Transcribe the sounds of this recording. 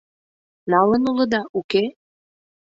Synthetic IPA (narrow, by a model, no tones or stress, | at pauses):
nɑlə̆nulə̆d̪ɑʔuke